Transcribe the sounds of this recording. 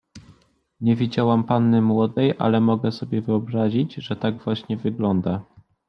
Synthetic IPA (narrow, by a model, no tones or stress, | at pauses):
ɲɛvʲid͡ʑawampanːɘmwɔd̪ɛjʔa̰lɛmɔɡɛsɔbʲjɛvɘɔbɾaʑid͡ʑʐɛt̪aɡvwaɕɲɛvɘɡlɔnd̪a